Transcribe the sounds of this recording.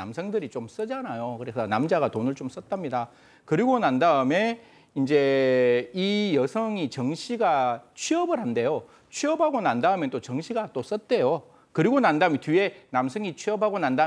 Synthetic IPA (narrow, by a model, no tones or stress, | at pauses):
a̰msʰʌŋdɯɾit͡ɕoms͈ɯd͡ʑanajokɯɾe̞sʰʌnamd͡ʑaɡatonɯɭt͡ɕoms͈ʌt̚t͈amɲida | kɯɾiɡonandaɯme̞ | ind͡ʑe̞ | ijʌsʰʌŋit͡ɕʌŋɕʰiɡat͡ɕʰɥiʌbɯɾhande̞jo | t͡ɕʰɥiʌbɦaɡonandaɯmjʌnt͈ot͡ɕʌŋɕʰiɡat͈os͈ʌt̚t͈e̞jo | kɯɾiɡonandaɯmtie̞namsʰʌŋit͡ɕʰɥiʌbɦaɡonanda